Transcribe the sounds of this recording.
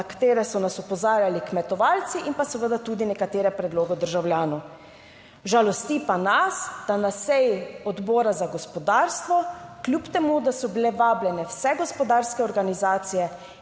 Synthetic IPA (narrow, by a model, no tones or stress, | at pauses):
kḁt̪eːɾɛsɔnasɔpɔzaːɾjalikmɛt̪ɔʋaːlt̪siʔinpasəʋəd̪at̪uːd̪inɛkat̪eːɾɛpɾɛd̪loːɡɛd̪əɾʒawlʲjaːnɔw | ʒalɔst̪ipanasd̪̥anasɛjɔd̪bɔːɾazaɡɔspɔd̪aːɾst̪ʋɔklʲjupt̪ɛmud̪asɔbilɛʋaːblʲjɛnɛwsɛɡɔspɔd̪aːɾskɛɔɾɡanizaːt̪sijɛ